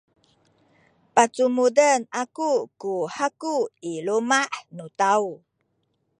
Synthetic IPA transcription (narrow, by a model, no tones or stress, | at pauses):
pat͡sumudənakukuhakuilumaʔnutau